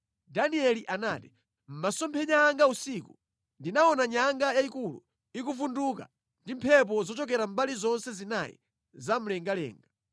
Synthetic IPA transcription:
daniɛliʔanati̥ | m̩masɔmpʰɛɲaːŋɡausiku | ndinaɔnaɲaŋɡajaikulṵ | ik̬uvunduka̰ | ndim̩pʰɛp̬ɔzɔt͡ʃɔk̬ɛɾam̩balizɔnsɛzinajḭ | zam̩lɛŋɡalɛ̰ːŋɡa

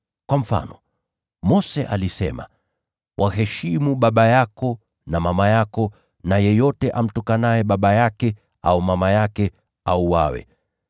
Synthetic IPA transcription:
kwam̩fa̰nɔ | mɔsɛʔalisɛ̰ma | wʔahɛʃimuɓaɓajakɔ | namamajakɔ | najɛjɔtɛʔam̩tukanajɛɓaɓajakɛ | a̰umamajakɛ | auwa̰wɛ̰

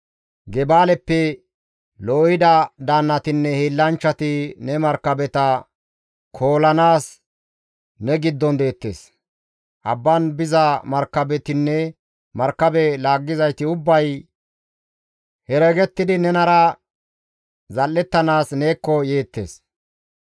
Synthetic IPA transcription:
ɡɛbaːlɛpːɛ | lɔɪd̪ɐd̪aːnːɐt̪ɪnːɛhiːlːɐnt͡ʃːɐt̪ɪnɛmɐɾkːɐbɛt̪ɐ | kʰo̞ːlɐnaːs | nɛɡɪd̪ːɔnd̪e̞ːt̪ːeːs | ʔɐ̰bːɐnbɪzɐmɐɾkːɐbɛt̪ɪnːɛ | mɐɾkːɐbɛlaːɡːɪzɐjt̪ɪʊbːɐj | hɛɾeɡɛt̪ːɪd̪ɪnɛnɐɾɐ | zɐlːɛt̪ːɐnaːsne̞ːkːɔje̞ːt̪ːe̞̰ːs

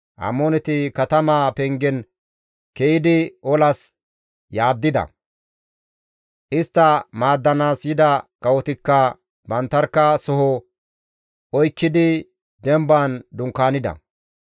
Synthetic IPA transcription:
ʔɐ̰mːɔnɛt̪ɪkɐt̪ɐmaːpɛŋɡɛn | kejɪd̪ɪʔɔlɐs | jaːd̪ːɪd̪ɐ̰ | ʔɪst̪ːɐmaːd̪ːɐnaːsjɪd̪ɐkɐwɔt̪ɪkːɐ | bɐnt̪ːɐɾkːɐsɔɦɔ | ɔjkːɪd̪ɪ | d̪ɛmbaːnd̪ʊŋkːaːnɪd̪ɐ̰

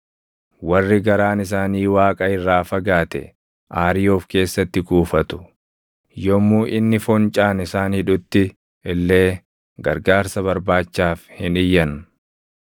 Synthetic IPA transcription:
wɐrːɪɡɐɾaːnɪs̬aːniːwaːkʼɐɪrːaːfɐɡaːt̪ɛ̰ | ʔaːɾɪjoːfke̞ːsːɐt̪ːɪɡuːfɐt̪ʊ̥ | jɔmːuːʔɪnːɪfɔnt͡ʃʼaːnɪsaːnhɪᶑʊt̪ːɪ | ɪlːe̞ː | ɡɐɾɡaːɾsɐβɐɾbaːt͡ʃːaːfhɪnɪjːɐn

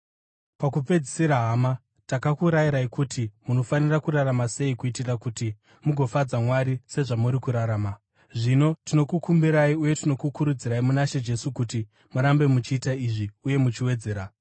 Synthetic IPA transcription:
pakupe̞d͡zisiɾaɦaːma | takakuɾajiɾaikutimuno̞fanirakuɾaramase̞ikuitirakuti | muɡʱo̞fad͡zamwaɾise̞ʐamuɾikuɾaɾaːma | ʐino̞tino̞kukumbiɾaiuje̞tino̞kukuɾud͡ziɾaimunaʃe̞d͡ʒe̞sukuti | muɾambe̞mut͡ʃiːtaiʐiuje̞mut͡ʃiwe̞d͡ze̞ːɾa

